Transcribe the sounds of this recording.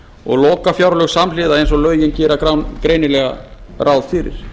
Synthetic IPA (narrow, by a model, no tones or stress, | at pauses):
ɔ̰ɣlɔːkafjawɾlœɣsamlɪðaðejns̬ɔlœːɥjɪncɛːɾakɾawnkɾeːjnɪlɛɣa̰rʔawð̥fɪɾɪ̰ɾ̥